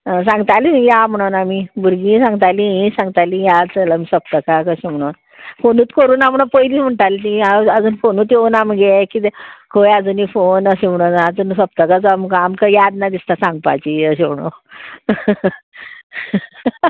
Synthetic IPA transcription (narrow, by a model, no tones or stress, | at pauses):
sãŋɡt̪alijam̤əɽ̃onamibuɾɡĩsãŋɡt̪aliĩsãŋɡt̪alijat͡səlamisəp̚t̪əkakəɕem̤əɽ̃on | fonuːt̪kəɾuːnam̤əɳ̃apəiliːm̤əɳʈ̪alit̪ĩaəd͡zuːnfonuːt̪eunamiɡekit̪ekʰojad͡zuːnifonəɕem̤əɽ̃onad͡zuːnsəpt̪əkat͡soamkamkəjad̪nad̪ist̪asãŋɡ̚pa̰t͡ɕiəɕem̤ɽ̃o̰